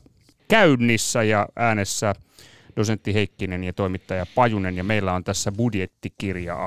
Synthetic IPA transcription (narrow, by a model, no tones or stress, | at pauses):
kæynːisːæjɑʔæːnesːæ | d̥osent̪ːiɦeikːinenjɑt̪oimit̪ːɑjɑpɑjunenjɑmeilːæont̪æsːæbudjet̪ːikirjɑ̰